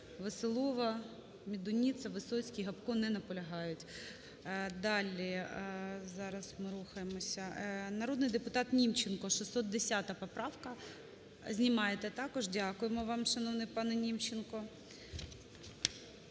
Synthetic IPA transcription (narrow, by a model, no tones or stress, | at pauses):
ʋɐsɪlˠɔʋɐ | mʲid̪ʊnʲit̪sɐʋɪsɔt͡sʲkʲijɦɐpkɔnɛnɐpɔlʲɐɦɑjʊtʲ | d̪ɑlʲi | zɑɾɐsmɪɾuxɐjemɔsʲɐnɐɾod̪nɪjd̪epʊt̪ɑt̪nʲimt͡ʃenkɔʃisɔt̪̚d̪esʲat̪ɐpɔpɾɑwkɐ | zʲnʲimɑjet̪ɛt̪ɑkɔʒdʲakʊjemɔʋɑmʃɐnɔwnɪjpɑnɛnʲimt͡ʃenkɔ